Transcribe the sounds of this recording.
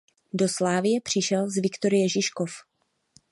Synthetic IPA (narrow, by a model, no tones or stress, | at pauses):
do̞slaːvɪjɛpr̝̥ɪʃɛlzvɪkt̪o̞ɾɪjɛʒɪʃko̞f